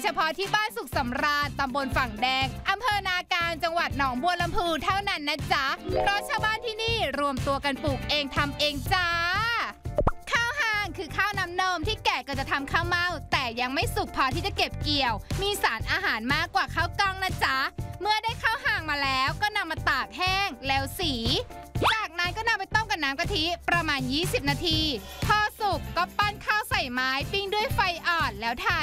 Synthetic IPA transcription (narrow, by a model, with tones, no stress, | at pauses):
t͡ɕʰa˧pʰɔ˦˥t̪ʰiː˥˩baː˥˩nsu˨˩k̚sa˩˦mɾaː˧nt̪a˧mbo˧nfa˨˩ŋdɛː˧ŋʔa˧mpʰɤː˧naː˧kaː˧nt͡ɕa˧ŋwa˨˩t̪̚nɔː˩˦ŋbu˧əla˧mpʰɯː˧t̪ʰa˥˩wna˥˩nːa˦˥˩t͡ɕa˦˥pʰɾɔ˦˥t̪̚t͡ɕʰaː˥˩wbaː˥˩nt̪ʰiː˥˩niː˥˩ɾu˧əmt̪u˧ɐka˧npuː˨˩k̚ʔeː˧ŋt̪ʰa˧mʔeː˧ŋt͡ɕa˧˥ | kʰaː˥˩wɦaː˧˩ŋkʰɯː˧kʰaː˥˩wna˦˥mnɤː˧mt̪ʰiː˥˩kɛː˨˩kaː˧˩t͡ɕa˨˩t̪ʰa˧mkʰaː˥˩wma˥˩wt̪ɛː˨˩ja˧ŋma˥˩jsu˨˩k̚pʰɔː˧˦t̪ʰiː˥˩t͡ɕa˨˩ke˨˩p̚ki˨˩əwmiː˧saː˩˦nʔaː˧ɦaː˩˦nmaː˥˩kːwaː˨˩kʰaː˥˩wkɔ˥˩ŋnaː˥˩t͡ɕa˦˥ʔmɯ˥˩ɐdaː˥˩jkʰaː˥˩wɦaː˧˩ŋmaː˧lɛː˦˥wkɔː˥˩na˧mːaː˧t̪aː˨˩k̚hɛː˥˩ŋle˨˦˥wsiː˩˦t͡ɕaː˨˩k̚naː˨˦˥nkɔ˥˩na˧mpa˧jt̪ɔ˥˩ŋka˨˩nːaː˦˥mka˧t̪ʰi˦˥pɾa˧maː˧njiː˥˩si˨˩p̚naː˧t̪ʰiː˧ | p̪ʰɔː˧su˨˩kːɔː˥˩pa˥˩nkʰaː˥˩wsa˨˩jmaː˦˥jpi˥˩ŋdu˥˩əjfa˧jʔɔː˨˩n̚lɛː˦˥wt̪ʰaː˧˩